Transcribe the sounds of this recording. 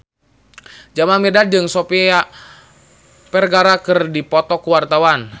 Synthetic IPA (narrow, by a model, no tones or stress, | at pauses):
d͡ʒamamɛdad͡ʒɨŋsɔpia | pɛrɡaɾakɨrdipɔt̪ɔkuwart̪awan